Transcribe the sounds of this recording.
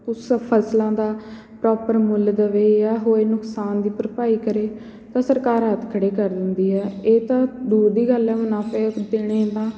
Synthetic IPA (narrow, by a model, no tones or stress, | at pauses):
ʊspʰəslãːd̪aː | pɾɔːpəɾmʊld̪əʋeːɛːɦoːeːnʊksaːnd̪iːpɾəpaːiːkəɾeː | t̪ãːsəɾkaːɾɦət̪kʰəɽeːkəɾd̪ɪnd̪iːɛːeːt̪ãːd̪uːɾd̪iːɡəlɛːmənaːpeːd̪ɪɽ̃eːt̪ãː